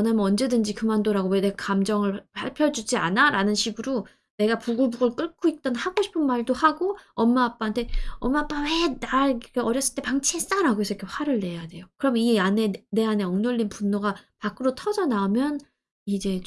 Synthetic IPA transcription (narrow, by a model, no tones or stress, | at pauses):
ʌnamʌnd͡ʑe̞dɯnd͡ʑikɯmandoɾaɡowene̞ɡakamd͡ʑʌŋɯɭpaɭpʰjʌd͡ʑud͡ʑianaɾanɯnɕʰiɡɯɾo | ne̞ɡapuɡɯbuɡɯɭk͈ɯɭk͈ʰoit̚t͈ʌnhaɡoɕʰi̥pʰɯnmaɭdohaɡoʌmːaːp͈aantʰe̞ʌmːaːp͈awe̞naɭkeʌɾjʌs͈ɯɭt͈e̞paŋt͡ɕʰies͈aɾaɡoesʰʌkʰeɸwaɾɯɭːe̞jade̞jokɯɾʌmjʌniane̞ne̞ane̞ʌŋnoʎːinpunːoɡapak͈ɯɾotʰʌd͡ʑʌnaɯmjʌn | id͡ʑe̞